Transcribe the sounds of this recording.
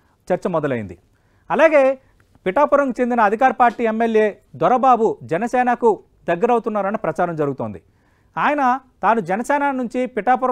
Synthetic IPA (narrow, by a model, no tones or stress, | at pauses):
t͡ʃɐɾt͡ʃɐmɔd̪ɐlɐjḭnd̪i | ɐlaːɡe̞ː | piʈaːpuɾɐŋkut͡ʃe̞nd̪inɐːd̪ʱikaːɾɐpaːɾʈiːemːelje̞ː | d̪ɔɾɐbaːbud͡ʒɛnɐsɛːnɐku | d̪ɐɡːɐɾɐwut̪unːaːɾɐnipɾɐt͡ʃaːɾɐmd͡ʒɐɾuɡut̪o̞ːnd̪i | aːjɐnɐt̪aːnud͡ʒɛnɐsɛːnaːnuɲt͡ʃipiʈaːp̬uɾɐ